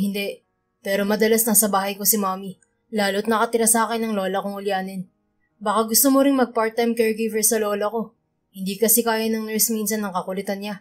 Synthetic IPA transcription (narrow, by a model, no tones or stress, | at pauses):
hɪnd̪ɛ | pɛːɾo̞mɐd̪ɐlasnɐsɐbaːhɐjko̞sɪmaːmi | laːlot̪̚nɐkɐt̪ɪɾasaːkɛnːɐŋlo̞ːlɐkʊŋʊlɪjaːnɛn | baːkaɡʊst̪omoɾɪŋmɐɡ̚paɹt̪ːajmkɛɹɡivɛɹsɐlo̞ːlɐko̞ | hɪnd̪iːkɐsɛkaːjɐnɐŋnɛɹsminsɐnːɐŋkɐkʊlɛt̪ɐnɲa